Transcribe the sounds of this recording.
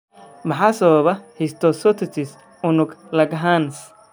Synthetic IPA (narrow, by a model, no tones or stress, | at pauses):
mɑħɑːsɐβɐβɐhɪst̪ʰɔsɔt̪ʰɪt͡ʃɪs | ʊnʊɡlɐɡɦans